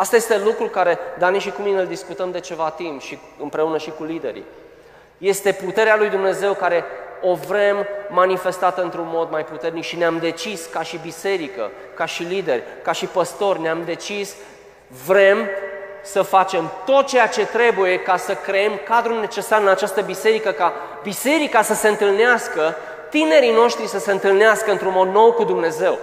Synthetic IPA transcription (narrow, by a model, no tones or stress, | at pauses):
ast̪aje̞st̪e̞lukɾulkaɾe̞d̪aniʃikumineld̪iskut̪əmd̪e̞t͡ʃe̞vat̪impʃi | ɨmpɾe̞unəʃikulid̪e̞̰ɾḭ | je̞st̪e̞put̪e̞ɾealujd̪umne̞ze̞wkaɾe̞o̞vɾe̞mːanife̞st̪at̪ɨnt̪ɾunmo̞d̪majput̪e̞rnikʃineamd̪e̞t͡ʃiskaʃibise̞ɾikə̰ | kaʃilid̪e̞rʲkaʃipəst̪o̞rʲneamd̪e̞t͡ʃis | vɾe̞msəfat͡ʃe̞mt̪o̞t̪̚t͡ʃe̞jat͡ʃe̞t̪ɾe̞buje̞kasəkɾeemkad̪ɾulne̞t͡ʃe̞saɾɨnat͡ʃast̪əbise̞ɾikəka | bise̞ɾikasəse̞ɨnt̪ɨlneaskə | t̪ine̞ɾino̞ʃt̪ɾisəse̞ɨnt̪ɨlneaskəɨnt̪ɾunmo̞d̪no̞wkud̪umne̞ze̞w